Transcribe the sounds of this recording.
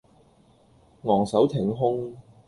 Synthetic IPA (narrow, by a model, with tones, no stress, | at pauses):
ŋɔː˨˩ŋsɐ˨˥wt̪ʰɪ˨˩ŋɦʊ˥ŋ